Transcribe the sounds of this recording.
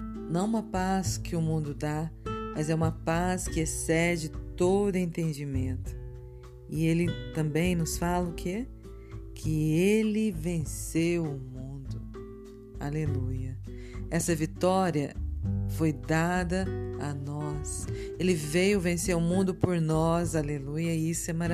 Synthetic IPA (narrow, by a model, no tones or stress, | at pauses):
nɐ̃w̃ũmɐpaskɪʊmũnd̪ʊd̪amɐzɛũmɐpaskɪesɛd͡ʒɪt̪od̪ʊẽnt̪ẽnd͡ʒimẽnt̪ʊ̥ | ɪelɪt̪ɐ̃mbẽj̃nʊsfalɐkʰe | kʰɪelɪvẽsewʊmũnd̪ʊ | a̰lelujɐ | ɛsɐvit̪ɔɾiɐfojd̪ad̪ɐanɔs | elɪvejʊvẽseɾʊmũnd̪ʊpoɾnɔzalelujɐɪisʊɛmaɾ